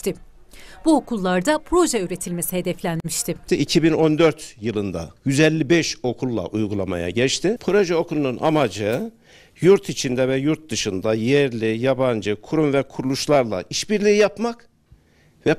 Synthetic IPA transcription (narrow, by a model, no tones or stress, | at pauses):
t̪ɪ | b̥uokʰulˠːaɾd̪apʰɾo̞ʒɛyːɾe̞t̪ʰilʲmesihe̞d̪ɛflʲænmiʃt̪ʰɪiicʰibino̞nd̪øɾt̪jɯlˠɯnd̪a̰jyzɛlʲːibɛʃo̞kʰulˠːa̰ʔujɡulˠama̰ja̰ɟɛt͡ʃt̪ʰipʰɾo̞ʒɛo̞kʰulˠununʔa̰mad͡ʒɯ | juɾt̪ʰit͡ʃʰind̪ɛvɛjuɾt̪̚d̪ɯʃɯnd̪ajɛɾlʲijaband͡ʒɯkʰuɾumvɛkʰuɾulˠuʃlˠaɾlˠa̰ʔiʃbiɾlʲiːijapmak | vɛ